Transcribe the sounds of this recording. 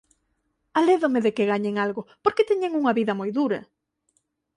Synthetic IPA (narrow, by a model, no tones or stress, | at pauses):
aleðomeðekeɣaɲeŋalɣopoɾket̪ɛɲeŋuŋɐβiðɐmojðuɾɐ̰